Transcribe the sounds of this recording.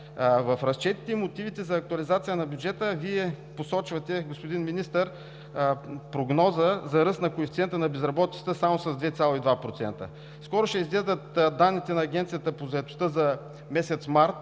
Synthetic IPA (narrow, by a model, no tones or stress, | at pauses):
vɐfɾɐst͡ʃɛt̪i̥t̪ɛimot̪ivit̪ɛzɐːk̚t̪uɐlizat̪sijənɐbʲjud͡ʒɛt̪əviɛ | posɔt͡ʃvɐt̪ɛɡospod̪inminist̪əɾ | pɾoɡnɔzəzɐɾɤst̪nɐkoɛfit̪iɛnt̪ənɐbɛzɾɐbɔt̪i̥t̪ə̥t̪əsamosɐzd̪vɛt̪sʲalˠoid̪vapɾot̪ɛnt̪ə̰ | skɔɾoʃɛizɡlɛʒd̪ət̪d̪anːit̪ɛnɐːɡʲɛnt̪sijət̪əpozɐɛt̪o̥st̪əzɐ | mɛsɛt̪smaɾt̪